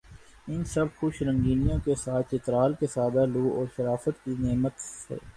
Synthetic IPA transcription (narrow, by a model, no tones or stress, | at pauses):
ɪnsɐbxʊʃɾə̃ŋɡiːnijõkesaːt̪ʰɪt̪ɾaːlkesaːd̪aluːɔːɾʃɐɾaːfət̪kineːmət̪sḛː